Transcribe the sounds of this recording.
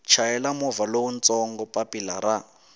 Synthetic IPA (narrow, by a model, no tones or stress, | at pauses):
t͡ʃʰaɛlamɔvalount͡sɔŋɡɔpʼapila̰ɾa